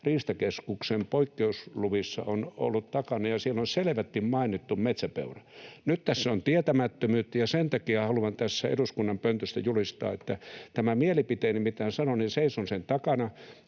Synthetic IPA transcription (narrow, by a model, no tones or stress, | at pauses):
riːst̪ɑkeskuksempoikːeusluʋisːɑ̰ono̰lːut̪t̪ɑkɑnɑjɑsielːonseleʋæt̪ːimmɑinit̪ːummet̪sæpḛurænytt̪æsːæont̪iet̪æmæt̪ːømyːt̪ːæjɑsent̪ɑkiɑhɑluʋɑnt̪æsːæḛduskunːɑmpønt̪øst̪æjulist̪ɑ̰ːet̪ːæt̪æmæmielipit̪eːnimit̪ːæhæsɑnoninseisonsent̪ɑkɑnɑ